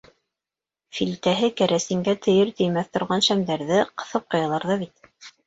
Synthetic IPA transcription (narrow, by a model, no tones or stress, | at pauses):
filt̪æɦɘkæɾʔæsɘ̆ŋɡæt̪ʰɘ̆jɘɾt̪ɘ̆jmæθt̪ŏɾʁɑnʃæmd̪æɾðɘqɤ̆θɤp̚qɤ̆jɑlˠɑɾðɑβit̪̚